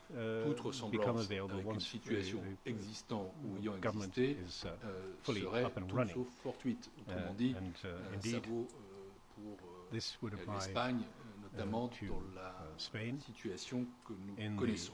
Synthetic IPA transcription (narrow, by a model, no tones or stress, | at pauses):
ut̪χəsɑ̃bɨlkʰʌ̃məveɪlˠbəlˠwʌ̃nnsiasjɔ̃ɛɡzist̪ɑ̃uɛjɑ̃ɛɡʌvə˞mə̃nt̪eɪz̥fʊlˠiəʁɛʌpə̃nɹʌ̃nɪ̃ofɔʁt̪ɥit̪ot̪χəmmɑ̃d̪iɨ̃nɪ̃ndiɛʁvo | pʰuʁ | ðɪswɨɾəl̥aɛɪpaɲnɔt̪ammɑ̃tʰɨd̪ɑ̃laspẽɪ̃nsit̪ʰyasjɔ̃kənuɪ̃nkɔnɛsɔ̃